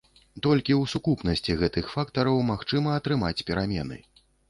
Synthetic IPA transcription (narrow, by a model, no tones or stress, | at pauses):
t̪ɔlʲkʲiuwsukupnɐsʲt͡sʲiɣɛt̪ɨxfakt̪ɐɾɐwmaxt͡ʂɨmɐːt̪ɾɨmat͡sʲpʲɛɾamʲɛ̰nɨ̰